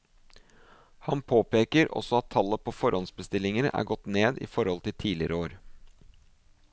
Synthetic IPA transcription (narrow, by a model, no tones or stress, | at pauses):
hɑnpʰoːpeːkəɾɔ̰sɔɑt̪ʰːɑlːəpʰɔfɔɾɔnsbəst̪ɪlːɪŋənə̰ʔæ̰ːɾɡɔt̪ːneːd̪ɪ̰ːfɔɾhɔlt̪ʰɪt̪ʰiːlɪəɾəoːɾ